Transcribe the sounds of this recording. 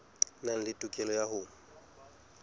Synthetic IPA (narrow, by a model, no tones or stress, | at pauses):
nan̩lɪtʼukʼɛlɔjahʊ